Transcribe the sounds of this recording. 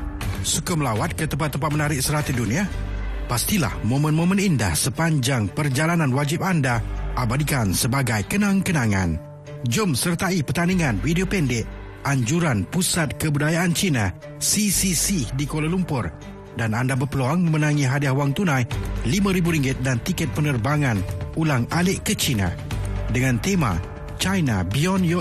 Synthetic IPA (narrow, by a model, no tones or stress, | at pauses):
sukəməlawat̪̚kət̪əmpat̪ːəmpat̪̚mənaɾɪk̚səɾat̪idunĩa | past̪ila̰hmomə̃nmomə̃ninda̰hsəpaɲd͡ʒaŋpərd͡ʒalanãnwad͡ʒɪp̚andaʔabadikansəbaɡajkənãŋkənaŋa̰n | d͡ʒʊmsərt̪aipərt̪aniŋanwidiopɛndɪʔ | ʔaɲd͡ʒuɾanpusat̪̚kəbudajaʔant͡ʃina | sisisidikolalumpʊr | danandabərpəloaŋməmənãŋĩɦadiahwaŋt̪unãjlimãɾibuɾiŋɡɪt̪̚dant̪ikɛt̪̚pənərbaŋanulaŋalɪʔkət͡ʃinã̰ | dəŋãnt̪ema̰ | t͡ʃajnabiɔnjɔ